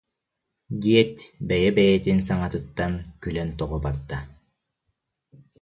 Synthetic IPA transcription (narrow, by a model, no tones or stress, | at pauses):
d̪iɛt̪bɛjɛbɛjɛt̪insaŋat̪ɯt̪ːankylɛnt̪ɔʁɔbaɾd̪a